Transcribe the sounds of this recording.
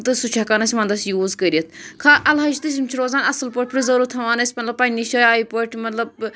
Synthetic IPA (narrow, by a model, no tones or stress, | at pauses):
t̪ɨsut͡ʃʰɐkanɐsʲimɐːnd̪ɐsʲjuːzkəɾʲiɐt̪ʰkʰaːɐlɦɐʃt̪ɨs̬ʲimt͡ʃʰiɾoːzaːnɐsɨlpoʈ̚ʰʲpɾʲizɐɾuːt̪ʰɐʋaːnɐsʲmɐt̪lɐbpːɐnʲiʃɐjaːipoʈʰmɐt̪lɐb̚